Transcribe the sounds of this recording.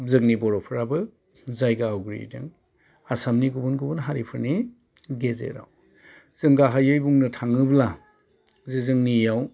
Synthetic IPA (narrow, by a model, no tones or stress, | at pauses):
zɯk̚nibɔɾɔpʰɯɾabɯ | zajɡaawɡɾḭda̰ŋ | asamniɡubɯnɡubɯnɦaɾipʰɯɾni | ɡezḛɾa̰w | z̥ɯŋɡaɦajɯjbuŋnɯtʰaŋɯbla | zɯzɯŋnijaw